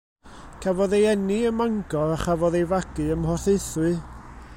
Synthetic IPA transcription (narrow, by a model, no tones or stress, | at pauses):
kʰavɔðejɛniəmaŋɡɔɾaχavɔðejvaɡ̥ɨəmhɔrθejθwɨ